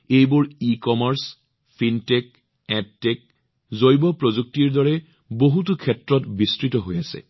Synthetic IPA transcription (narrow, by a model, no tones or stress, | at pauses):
ejbʊɹikɔmaɹs | pʰintek̚ | ɛtːek̚ | zojbɔpɹozuk̚tiɹdɔɹɛ | boɦut̬ʊkʰɛtɹɔtbistɹitɔɦojasɛ̰